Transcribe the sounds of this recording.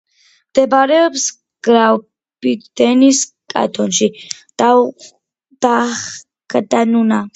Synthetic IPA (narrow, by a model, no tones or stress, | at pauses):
md̪̥ɛbɾɛɔps | ɡ̥ɾa | bit̪d̪̥ɛnis | kʼa̰t̪ʰɔnʃid̪̥a | d̪̥a | kad̪anuna